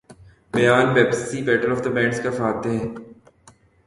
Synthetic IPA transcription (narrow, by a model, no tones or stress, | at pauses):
bɐjaːnbɛːpəsibɛːʈəɾɔːfd̪əbɛ̃ːɳɖskafaːt̪eɦɛ̃ː